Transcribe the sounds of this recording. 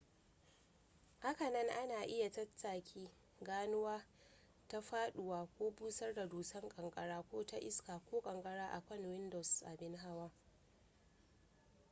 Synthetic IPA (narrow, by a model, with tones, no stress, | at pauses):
ha˦kɐ˨nɐ˦ŋʔa˦naː˨ʔɪ˦ja˨tɐ˦tʰːaː˨kʲʰiː˦ | ɡaː˦nʊ˦waː˦ | ta˦ɸaː˦ɗʊ˨waː˦kʷoː˦buː˦sɐ˦rda˨duː˨sɐ˦ŋkʼɐ˨ŋkʼɐ˨ɽaː˦kʷoː˦ta˦ʔɪ̰˦skaː˨kʷoː˦kʼɐ˨ŋkʼɐ˦ɽaː˦ʔa̰˨kʷɐ˦˨nwɪ˦ndɔ˨sʔa̰˨bɪ˦nɦa˦waː˦